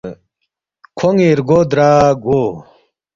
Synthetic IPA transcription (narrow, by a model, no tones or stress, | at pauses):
kʰoŋiɾɡoːd̪ɾaːɡoː